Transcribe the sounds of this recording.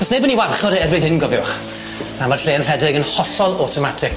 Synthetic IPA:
ɔsnebəniwarχɔdɛbɪnɦɪnɡɔvjʊχ | namarɬeːənr̥ɛdɪɡənhɔɬɔlˠɔtʰɔmatʰɪk

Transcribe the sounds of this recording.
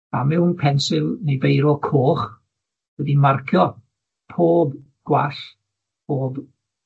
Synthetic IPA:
a̰mɪnpʰɛnsɪlˠnejvejɾɔkʰoːχ | wɛdimarkʰjɔ | pʰoːb | ɡ̥waɬ | pʰoːb

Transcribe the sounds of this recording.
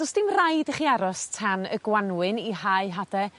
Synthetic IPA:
dɔsd̥ɪmrajdəχiaɾɔstʰanə̰ɡwanwɨnihaɨɦadɛ

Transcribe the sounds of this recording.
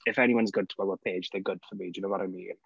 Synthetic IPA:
ɪfɛñiwʌ̃nzɡʊd̚tʰə̥wɛlˠwəpʰeːd͡ʒðəɡʊd̥fəmidənoʊmaɾʔəmḭ

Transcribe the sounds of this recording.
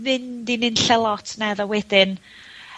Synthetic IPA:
mɪndinɪnɬɛlˠɔtʰnɛðɔwɛdɪn

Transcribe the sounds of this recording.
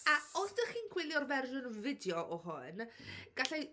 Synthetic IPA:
aɔsd̥əχiːnkʰwɪlˠjɔrvɛrʒʊnəvɪdjɔʔɔɦʊnɡ̥aɬɛ

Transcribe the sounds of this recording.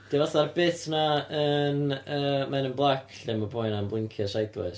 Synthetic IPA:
d̥ivaθarbɪtnaənəːmanənblˠakʰɬɛmɔbʰɔjnanblˠɪŋkʰjɔsajdlɔ̰ɨs

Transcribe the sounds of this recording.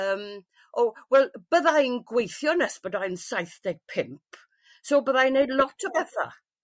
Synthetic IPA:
əːm | ʔɔwɛlˠb̥əðajnɡwejθjɔnəsb̥ədajnsajθd̥ɛɡ̥̚pʰɪmpʰ | sobəðajnejlˠɔtʰəbɛθa̰

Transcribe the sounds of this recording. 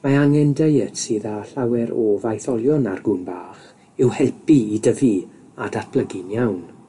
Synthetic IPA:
maaŋɛndejəd̥siːðaɬawɛɾɔvajθɔlˠjɔna̰rɡʊnbaːχ | ɪwhɛlˠpiːdəvi | adat̚b̥lˠəɡɪnjawn

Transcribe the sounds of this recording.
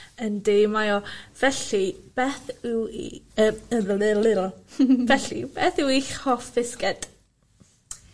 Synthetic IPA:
əndemajɔv̥ɛɬib̥ɛθɪwḭəəvəlɪɾlɪɾɔvɛɬḭb̥ɛθɪwiχɔfɪskɛd̥

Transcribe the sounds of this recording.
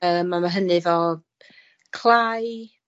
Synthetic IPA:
əːmamaɦənɨvɔ | kʰl̥ˠaj

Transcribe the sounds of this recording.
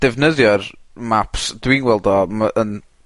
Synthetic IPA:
d̥ɛvnəðjɔrmapʰsd̥winwɛlˠdɔmaʔən

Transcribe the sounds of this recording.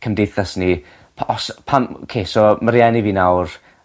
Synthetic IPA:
kʰəmdejθasni | ɔspʰano̰kʰeːsɔməɾjɛniviːnawr

